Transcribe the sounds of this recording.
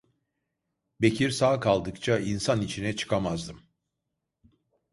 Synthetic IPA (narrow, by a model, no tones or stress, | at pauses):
be̞cʰiɾsaːkʰalˠd̪ɯkt͡ʃʰainsanit͡ʃʰinɛt͡ʃʰɯ̥kʰamazd̪ɯm